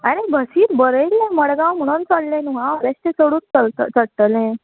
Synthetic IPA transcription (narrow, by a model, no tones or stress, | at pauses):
əɾebʱəsiːt̪bəɾəjlːẽməɽɡãwm̤əɽ̃unt͡səɽlẽnuɦãɾesʈesoɽuːnt͡səlt̪ət͡səɽt̪əlɛ̃